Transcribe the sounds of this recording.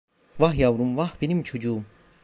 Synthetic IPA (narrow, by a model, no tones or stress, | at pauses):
vaɦjawɾumvahb̥inimt͡ɕʰud͡ʑum